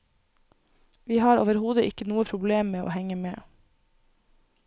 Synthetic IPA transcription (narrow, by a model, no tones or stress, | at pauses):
ʋiːhɑːɾo̰ːʋəɾhuːd̪əʔɪkənuːəpʰɾʊbleːmmeːʔo̰ːhɛŋəmeː